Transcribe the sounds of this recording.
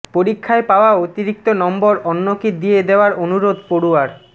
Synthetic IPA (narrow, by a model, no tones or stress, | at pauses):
poɾikʰːaepaoaot̪iɾik̚t̪onɔmboɾɔnːokid̪ied̪eoaɾonuɾod̪poɾuaɾ